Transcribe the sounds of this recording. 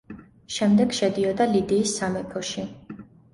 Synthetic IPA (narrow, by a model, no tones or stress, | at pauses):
ʃɛmd̪ɛɡʃɛd̪iɔd̪alid̪iːsːamɛpʰɔʃi